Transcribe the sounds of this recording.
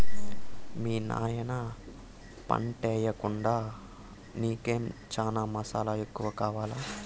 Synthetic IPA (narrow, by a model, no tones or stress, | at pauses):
miːna̰ːjɐnɐ | pɐ̰ɳʈɛːjɐkuɳɖaː | niːkeːmt͡ʃaːnaːmɐsaːlaekːuʋɐkaːʋaːlaː